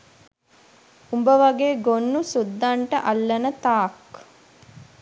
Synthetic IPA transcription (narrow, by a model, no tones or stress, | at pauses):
umbəʋaɡeːɡonːusud̪ːaɳʈəʔalːɐnət̪aːk